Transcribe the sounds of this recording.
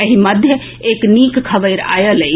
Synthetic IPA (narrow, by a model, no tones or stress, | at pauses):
əɦimɐd̪ʱjə | eːkniːkkʰɐʋəɪɾa̰ːjələ